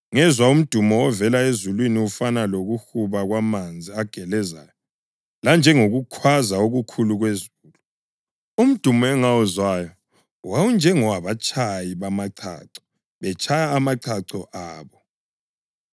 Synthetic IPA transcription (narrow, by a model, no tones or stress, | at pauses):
ŋɛzwaum̩d̥ʱumɔɔvɛlaezulwiniufanaloɣuxuβaɣwamand͡zʱiaɡ̥ʱɛlɛza̰jɔ | land͡ʒʱɛŋoɣukʰwazaoɣukʰuluɣwezuːlu | um̩d̥ʱumɔɛŋaɔzwajɔ | wawund͡ʒʱɛŋɔwaβat͡ʃʼʰajiβamaǀʰa̰ǀɔ̥ | βɛt͡ʃʰajaːmaǀʰaǀɔʔaːβɔ